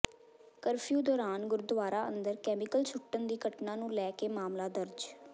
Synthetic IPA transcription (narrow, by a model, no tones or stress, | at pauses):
kəɾpʰjuːd̪ɔːɾaːnɡʊɾd̪ʊʋaːɾaːənd̪əɾkɛːmɪkəlt͡ʃʰʊʈːənd̪iːɡəʈnãːnũːlɛːkeːmaːmlaːd̪əɾd͡ʒ